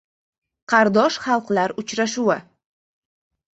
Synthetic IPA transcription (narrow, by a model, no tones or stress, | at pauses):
qʰɑɾd̪ɒʃχɑlˠqlaɾʊt͡ʃɾaʃʊwɪ